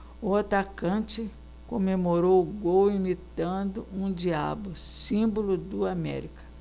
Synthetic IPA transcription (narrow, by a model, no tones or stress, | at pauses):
ʊat̪akɐ̃t͡ʃɪ | kõmemoɾowɡowimit̪ɐ̃d̪ʊũd͡ʒia̰bʊsĩbolʊd̪ʊamɛ̰ɾikɐ̥